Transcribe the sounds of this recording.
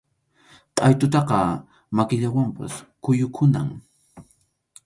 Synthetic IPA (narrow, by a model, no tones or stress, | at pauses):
t̪ʼajt̪ʊt̪ɑqɑ | makɪʎawampa̰skʊjʊkʰʊna̰ŋ